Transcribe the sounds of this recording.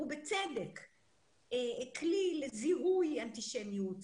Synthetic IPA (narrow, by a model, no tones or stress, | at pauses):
ubet͡sedek | eklileziɦujant̪iʃenijut